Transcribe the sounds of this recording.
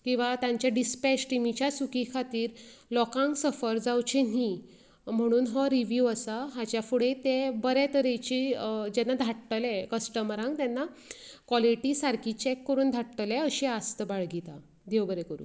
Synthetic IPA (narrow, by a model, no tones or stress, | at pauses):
kĩw̃ʋat̪jãɲt͡ɕjaɖispɛt͡ɕʈimit͡ɕjasukikʰat̪iːɾlɔkãŋksəfəɾd͡zawt͡ɕeni | m̤əɽ̃uːnɦɔɾiʋjuəsaɦat͡ɕjafuɽet̪ebəɾɛt̪əɾet͡ɕid͡ʑɛnːad̪ʱaʈʈəlɛkəsʈəməɾãŋɡt̪janːa | kʋɔliʈiːsaɾkʰit͡ɕɛkːəɾuːnd̪ʱaʈʈəlɛəɕiast̪əbaɭɡit̪a | d̪ewbəɾɛkəɾṵː